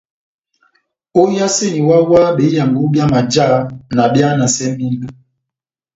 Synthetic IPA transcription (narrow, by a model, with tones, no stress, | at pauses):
o˦ja˦se˦˨ɲi˨wa˦wa˦ɓe˨˦ja˨ŋɡu˦bja˦ma˨d͡ʒa˦na˨bja˦na˨sɛ˦m˦i˦nu˨